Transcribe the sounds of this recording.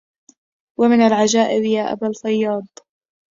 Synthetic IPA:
wamɪnalʕad͡ʒaːʔɪbjaːʔa̰balfɑjːɑːd̪ˤ

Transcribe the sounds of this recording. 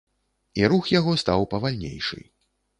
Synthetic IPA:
iɾuxjaɣɔst̪awpɐvalʲnʲḛjʂɨ̰j

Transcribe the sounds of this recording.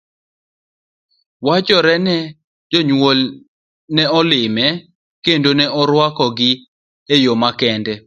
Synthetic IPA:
wat͡ʃɔɾɛnɛ | d͡ʒoɲwol | nɛɔlɪmɛ | kendonɛʔɔɾwakɔɡɪ | ejomakɛndɛ

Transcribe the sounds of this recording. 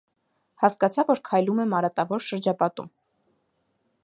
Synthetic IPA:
hɑskɑt͡sʰɑvːɔɾkʰɑjlumɛmɑɾɑt̪ɑvɔɾʃəɾd͡ʒɑpɑt̪ṵm

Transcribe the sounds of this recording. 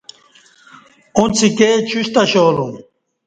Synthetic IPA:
ũnt͡sʰiket͡ɕʰuɕt̪ɐɕoːlũm

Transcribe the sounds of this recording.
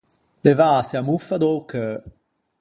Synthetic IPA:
levaːseamufad̪owkə

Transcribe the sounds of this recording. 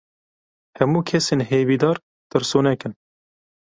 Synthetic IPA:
hɛmuːkʰɛseːnɦeːviːd̪ɑːɾ | t̪ɨɾsuːnɛkɨn

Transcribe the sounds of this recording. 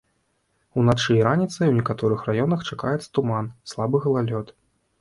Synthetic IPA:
unat͡ʂɨiɾanʲit̪sɐjwnʲɛkat̪ɔɾɨxrajɔnɐxt͡ʂakajɛt̪sɐ̥t̪umanslˠabɨɣɐlˠalʲɔt̪

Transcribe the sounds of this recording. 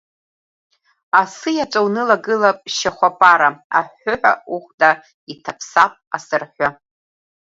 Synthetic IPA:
asɨjat͡ʃʷʼawnɨlaɡɨlapʼʃaχʷapʼaɾaa̰ħːʊħʷauχʷda | itʰapʰsapʼa̰sɨrħʷa

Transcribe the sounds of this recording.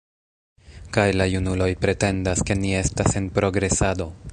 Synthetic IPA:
kajlajunulo̞jpɾe̞te̞ndaske̞nie̞stase̞npɾo̞ɡɾe̞sado̞

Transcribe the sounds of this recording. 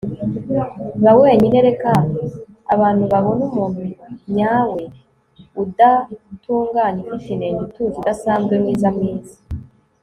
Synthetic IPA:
βawe̞ːɲine̞ɾe̞ka | a̰βaːn̥huβaβo̞numomuɲaːwe̞ | udatuːŋɡaːɲikit͡ʃineɲituːzidasaːnzɡwemŋiːzamŋiːzi

